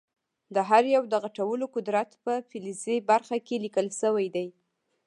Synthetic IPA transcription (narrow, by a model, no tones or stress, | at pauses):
d̪əɦaɾjawd̪əɣaʈawəlokʊd̪ɾat̪pəfɪlizebaɾxakelikəlʃəwajd̪aj